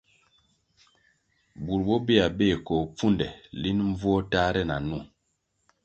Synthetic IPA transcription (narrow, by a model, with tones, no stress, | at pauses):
bu˨ɾbɔ˦be˦a˨beː˦˨kɔ˨p͡fu˦ndɛ̰˨li˦nɱ̩˦vɔ˦ta˦ɾɛ˦na̰˨nu˦˨